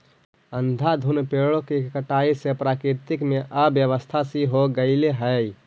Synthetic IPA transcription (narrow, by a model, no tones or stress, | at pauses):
ənd̪ʱad̪ʱunpeɭõkekəʈaisepɾaːkɾiɾt̪ikmeʔəbjəʋəst̪ʰasiɦoɡəɪleɦəj